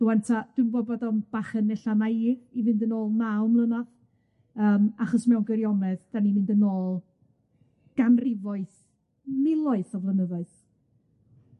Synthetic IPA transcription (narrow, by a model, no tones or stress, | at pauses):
ð̥uwantʰad̥ɪmbɔbɔdɔnb̥aχənɛɬanajðivɨndənoːlˠnawmlənað | əːmaχɔsmɛwnɡəɾjɔmɛðd̥animɪndənoːlˠ | ɡ̥anrɪvɔɨθ | mɪlˠɔɨθɔvrənəðɔɨθ